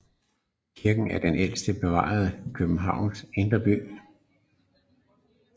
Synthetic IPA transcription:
kʰiɐɡ̥n̩æɐd̥enʔel̰sd̥əb̥e̝ʋɑ̰̈ð̞ˠəkʰøb̥m̩ɦɑ̈ʊ̰nsend̥ɐb̥y̰ː

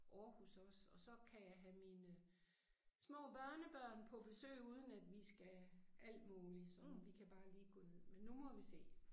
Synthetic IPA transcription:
ʔɒːhusɒ̽sɒ̽sɒ̽kʰæjɑ̈ɪɦæminə | smɔ̰̽ːb̥ɶɐnəb̥ɶɐ̰npʰɒ̽b̥e̝sø̰ːɪuːð̞ˠən̩æd̥ʋisɡ̥æʔæl̰d̥muːlisɒ̽mʋikʰæb̥ɑ̈ːliːɡ̥ɔ̰̽ːne̝ð̰ˠmenːumɒ̽ʋise̝̰ː

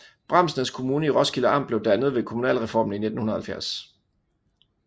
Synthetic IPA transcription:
b̥ʁɑ̈m̰snəskʰo̝muːnəiʁɒ̽sɡ̥iləɑ̈m̰d̥b̥leʊd̥ænəð̞̩ˠʋe̝kʰomunɛ̰ːlʁɛfɒ̰ːmn̩ine̝d̥n̩hunð̩ˠhælfjæɐ̰s

